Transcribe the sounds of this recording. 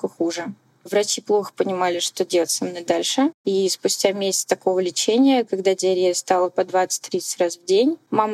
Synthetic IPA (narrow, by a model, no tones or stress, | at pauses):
kəxuʐɨ | vɾɐt͡ɕiplˠo̞xə̥pənʲɪmalʲɪʂt̪o̞dʲelˠətʲsɐmno̞jd̪alʲʂɨispʊsʲtʲamʲesʲɪ̥t̪sə̥t̪ɐko̞vəlʲɪt͡ɕenʲɪjəkɐɡd̪adʲɪɐɾʲest̪alˠəpɐd̪vat̪sɨ̥t̚ʲt̪ʲːɾʲit̪sɨ̥tʲrasvdʲenʲmamə